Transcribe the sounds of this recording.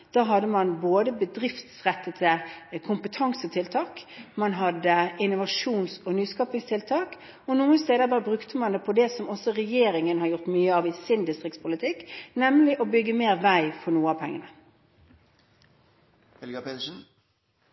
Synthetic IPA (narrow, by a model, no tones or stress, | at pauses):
d̪̥ɑːɦɑd̪ːəmɑnboːd̪əbəd̪ɾɪft̪sʁɛt̪ːət̪ʰɪkʰʊmpət̪ʰɑŋsət̪ʰɪlt̪ʰɑːkmɑnɦɑd̪ːəɪnʊʋɑʂuːnsɔnyːskɑːpɪŋst̪ʰɪlt̪ʰɑːk | ɔnuːənst̪eːd̪əbɑːəbʁʉkt̪əmɑnd̪ɛpʰɔd̪ɛsɔmɔsɔʁɛjeːɾɪŋənhɑɾjʊʁt̪myːəɑʋɪsɪnd̪ɪst̪ʁɪkt̪spʰʊlɪt̪ʰɪkːnɛmlɪʔɔbʏɡːəmeːɾʋæɪfɔnuːəɑpʰɛŋːənə | hɛlɡɑpʰet̪əʂn̩